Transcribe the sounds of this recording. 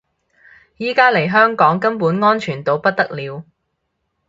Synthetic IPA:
jiː˨˥kaː˥le˨˩jɦœː˥ŋkɔː˨˥ŋkɐ˥mpuː˨˥nŋɔː˥nt͡ʃʰyː˨˩nt̪o˨˧wpɐ˥t̚t̪ɐ˥k̚liː˨˧w

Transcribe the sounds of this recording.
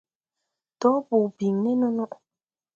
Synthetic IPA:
tɔ˨˦bu˨bi˨ŋnɛ˦nɔ˦nɔ˦ʔ

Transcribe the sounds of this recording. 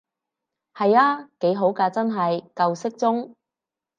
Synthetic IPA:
hɐ˨jaː˧˥ke˨˥jɦo˨˥wkaː˧t͡sɐ˥nɦɐ˨jkɐ˧wsɪ˥k̚t͡sʊ˥ŋ

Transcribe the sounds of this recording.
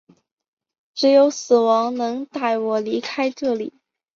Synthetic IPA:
ʈ͡ʂɻ̩˧˥jo˧˥ʊsɹ̩˨˩wɑ˧˥ŋnɤ˧˥ŋt̪a˥˩ɪwɔ˨˩li˧˥kʰa˥ɪʈ͡ʂɤ˥˩li˨˩˦

